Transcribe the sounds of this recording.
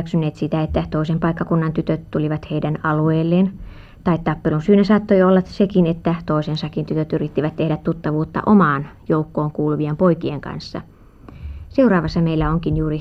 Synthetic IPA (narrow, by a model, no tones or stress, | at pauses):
ksynːˑeːt̪sit̪æet̪ːæt̪oˑisempɑikːɑkunːɑnt̪yt̪øt̪t̪uliʋɑt̪heidænɑlueːlːeːn | t̪ɑit̪t̪ɑpːelunsyːnæsɑːt̪ːoiolːɑt̪sekinet̪ːæt̪oisensɑkːint̪yt̪øt̪yrit̪ːiʋæt̪t̪ehɾæt̪t̪ut̪ːɑʋuːt̪ːɑ̰ʔomɑːnjoukːoːŋkuːluʋiempoikieŋkɑ̰nsːɑ̰ | seuɾɑːʋɑsːɑmeilːæoŋkinjuːri